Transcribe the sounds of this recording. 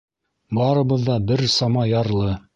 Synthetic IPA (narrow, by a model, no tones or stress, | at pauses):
bɑɾɤ̆bɤ̆ðːɑbɘɾsɑmɑjɑɾlˠɤ